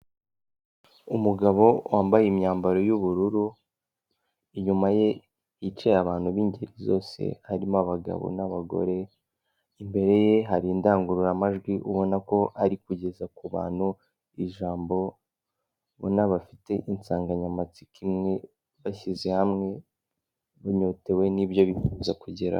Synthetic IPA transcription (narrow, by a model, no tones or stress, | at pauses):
umuɡaβo̞wʔaːmbajemɲaːmbaɾo̞juβuɾuɾu | iɲumaje̞ | it͡ʃejaβaːn̥huβiːɲɟeɾizo̞ːse̞̰haɾimaβaɡa̰βo̰naβaɡo̞̰ɾe̞ | imbe̞ɾe̞je̞ɦaɾindaːŋɡuɾuɾamaʒɡwiʔuβo̞nako̞ʔaɾikuɟe̞zakuβa̰ːn̥hu | iʒaːmbo̞ | βo̰naβafite̞ʔint͡saːŋɡaɲamat͡si̥kimŋe̞ | βaʃize̞hamŋe̞ | βuɲo̞te̞we̞nibjo̞βifuːzakuɟeɾa̰